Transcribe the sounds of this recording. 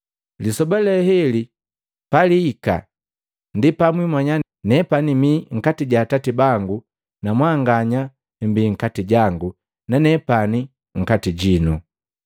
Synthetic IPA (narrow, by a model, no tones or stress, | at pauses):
lisɔbalɛhɛli | paliːka̰ | ndipamwimwaɲa | nɛpanimiŋ̩katiɟaːtatibaŋɡu | namwaŋɡaɲa | m̩biŋ̩katiɟaŋɡu | nanɛpani | ŋ̩katiɟinu